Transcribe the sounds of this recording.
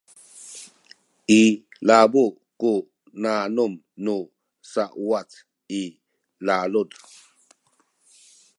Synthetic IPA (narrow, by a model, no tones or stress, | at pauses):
ilabu | ku | nanum | nu | saʔwat͡s | i | lalud